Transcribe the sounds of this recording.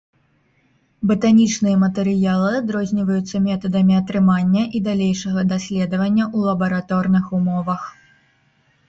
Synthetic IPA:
bɨt̪anʲit͡ʂnɨjɐmɐt̪ɛɾɨjalˠɨad̪ɾɔzʲnʲivɐjut̪sːɐmʲɛt̪ɐd̪ɐmʲiɐt̪ɾɨmanʲːɐʔid̪alʲejʂɐɣɐd̪asʲlʲɛd̪ɐvɐnʲːɐʔulˠɐbɐɾat̪ɔrnɨxumɔvɐx

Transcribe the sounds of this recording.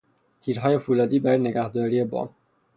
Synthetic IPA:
t̪ʰiːɾɦɒːje̞fuːlɒːd̪iːbæɾːjeneɡæhd̪ɒːɾiːe̞bɒ̰ːm

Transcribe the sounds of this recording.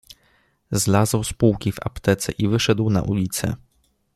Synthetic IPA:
zlazwspuwkʲiva̰pt̪ɛt̪sɛʔivɘʂɛd̪wna̰ʔulʲit̪sɛ̰

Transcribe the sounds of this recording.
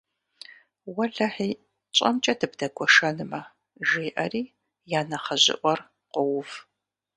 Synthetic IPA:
wɐɮɐħiː | t͡ʃʼɐ̰mt͡ʃʼɐdʰɨbdɐɡʷʰɔʂɐnɨmɐ | ʒeːʔɐriː | jaːnɐχɐʑɪ̰ʔʷɔr | qʷʊwʊv

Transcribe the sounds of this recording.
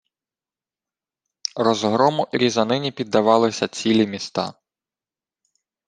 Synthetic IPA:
ɾɔzɦɾɔmʊʔɾʲizɐnɪnʲipʲid̪ːɐʋɑlˠɪsʲɐt͡sʲilʲimʲist̪ɑ̰

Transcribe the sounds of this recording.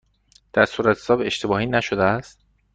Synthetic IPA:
d̪̥æɾsuːɾæt̪ʰsɒːbe̞ʃt̪ʰe̞bɒːhiːnæʃod̪eæst̪

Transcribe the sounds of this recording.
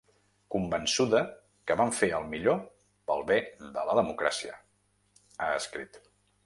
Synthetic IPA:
kumbənsuðə | kəβaɱfeəlˠmiʎo | pəlˠβeðələðəmukɾa̰siə̰ | aəskɾḭt̪

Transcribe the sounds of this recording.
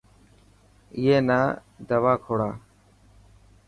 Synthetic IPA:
ɪjeːnaːd̪əʋaːkʰoːɽaː

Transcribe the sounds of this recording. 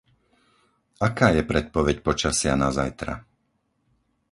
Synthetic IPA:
akaːjɛpɾɛt̪̚pɔʋɛcpɔt͡ʃasɪanazajt̪ɾa̰

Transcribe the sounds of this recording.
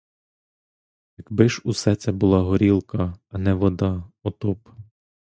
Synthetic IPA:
jɐkbɪʃusɛt͡sʲɐbʊlˠɑɦɔɾʲilˠkɐnɛʋɔd̪ɑɔt̪ɔp

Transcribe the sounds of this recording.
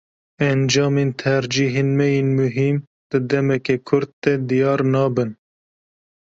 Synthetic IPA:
ɛnd͡ʒɑːmeːnt̪ʰɛɾd͡ʒiːɦeːnmɛjeːnmʊɦim | d̪̥ɨd̪ɛmɛkekʰʊɾd̪̚t̪ːɛd̪ijɑːɾnɑːbɨn

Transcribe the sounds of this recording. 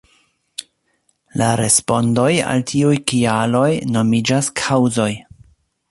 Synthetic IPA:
laɾe̞spo̞ndo̞ja̰ltʰiujkialo̞jno̞mid͡ʒaskʰawzo̞j

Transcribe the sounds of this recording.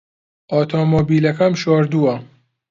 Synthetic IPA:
ʔɔːt̪ʰomobiːlɐkɐmʃɔːɾd̪uɐ

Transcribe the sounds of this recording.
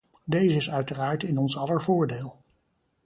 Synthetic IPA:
dejzəɪsœɥtəraːɹtɪnɔnsɑlˠəɹvʊːɹdeːlˠ

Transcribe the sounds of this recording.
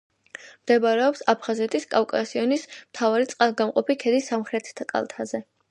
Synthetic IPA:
md̪ɛbaɾɛɔpsapʰχazɛt̪ʰiskʼafkʼasiɔnismt̪ʰavaɾit̪sʼqʼalˠɡamqʼɔpʰikʰɛd̪isːamχɾɛt̪ʰt̪ʰakʼa̰lˠt̪ʰazɛ

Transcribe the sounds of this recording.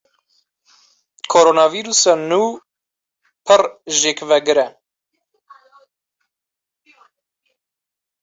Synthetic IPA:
kʰoɾonɑviɾusɑnuː | pʰɨrʒeːkvɛɡɨɾɛ

